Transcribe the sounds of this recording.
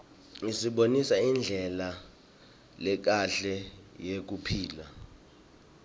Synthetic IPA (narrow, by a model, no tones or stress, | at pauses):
ŋisiɓonisaind͡ɮʱɛla | lɛk̬aɬɛjek̬upʰiːla